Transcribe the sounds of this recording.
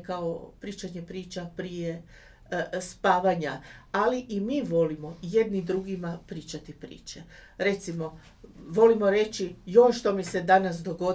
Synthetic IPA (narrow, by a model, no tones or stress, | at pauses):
kaopɾiːt͡ʃaɲe̞pɾiːt͡ʃapɾije̞ | spaːʋaɲaaliʔimiːʋo̞limo̞je̞d̪nid̪ɾuɡimapɾiːt͡ʃat̪ipɾḭːt͡ʃeɾe̞t̪simo̞ | ʋo̞limo̞ɾe̞t͡ʃiio̞nʃt̪o̞mise̞d̪anas̬d̪o̞ɡo̞